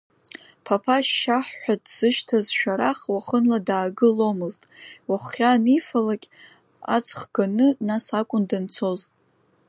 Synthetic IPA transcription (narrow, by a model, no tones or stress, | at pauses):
pʰapʰaʃaħːʷᶣadz̥ɨʃtʰazʃᶣaɾaχwaχənladaːɡɨlo̞mɨztʼwaχːʲanifalakʲʼ | a̰t͡sʰʼχɡ̥anɨnasakʷʼʊndant͡sʰoztʼ